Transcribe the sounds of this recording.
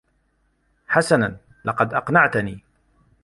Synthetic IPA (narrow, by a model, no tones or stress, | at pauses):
ħasanan | lɑqɑd̪ʔɑqnaʕt̪niː